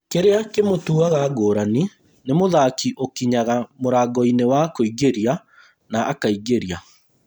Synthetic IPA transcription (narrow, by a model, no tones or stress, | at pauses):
keɾeakemotuaɣaɡoːɾani | nemoðakiʔokiɲaɣamoɾaːɡɔinewakoiɣeɾja | naʔːkaiɡeɾja